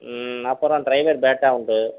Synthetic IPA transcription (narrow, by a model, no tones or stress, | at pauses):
ɐpːɔɾõːɖɾɐɪʋeɾbeːʈːaːʊɳɖɯ